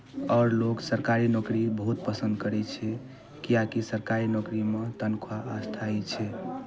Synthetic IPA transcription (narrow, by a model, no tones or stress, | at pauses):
ɔɾloksəɾkaɾinɔkɾibəɦut̪̚pəsə̃nd̪kəɾɛt͡ʃʰɛ | kijakisəɾkaɾinɔkɾimet̪ənkʰoaːst̪ʰait͡ʃʰɛ